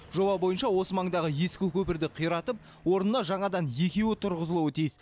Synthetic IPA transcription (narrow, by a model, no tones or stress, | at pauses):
ʒo̞bɑbo̞jənʃɑwo̞səmɑɴd̪ɑʁəje̞skʲɪkʲʰɵpɪɾd̪ɪqʰijɾɑt̪əp̚ | wo̞ɾnənɑʒɑɴɑd̪ɑnje̞kʲe̞wɪt̪ʰʊɾʁəzəlˠuwət̪ʰijɪs